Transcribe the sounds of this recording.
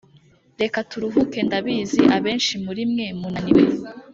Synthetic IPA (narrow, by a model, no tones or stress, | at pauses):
ɾe̞katuɾuɦuke̞ndaβiːziʔaβe̞ːnʃimuɾimŋe̞munaniwe